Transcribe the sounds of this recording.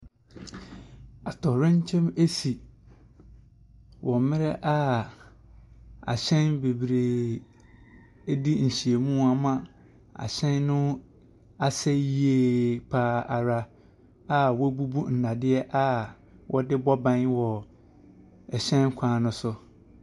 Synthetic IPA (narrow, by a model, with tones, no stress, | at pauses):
a˨tʰɔ˨ɾɪ̃˦ɲ˦t͡ɕʰɛ̃˦me˦si˨ | wʔɔ˨mɪ̃˦ɾɛ˦ʔa˦ | a̰˨ɕɛ̃˦nbe˨bɾe˨˦ | di˦n̩˨ɕi˨e˨mũ˦a˨mã˦ | a̰˨ɕɛ̃˦nnʊ̃˦ | a˨sɛ˦ji˦e˦˨pʰaː˦a˨ɾa˦ | a˨wɔ˦bu˦bu˦n̩˨na˨dɪ˦ɛ˦ʔa˦ | wʔɔ˦dɪ˦bɔ˦bã˦nwɔ˨ | ɛ˨ɕɛ̃˦n˦kʷʰãː˨˦˨nʊ̃˦sʊ˦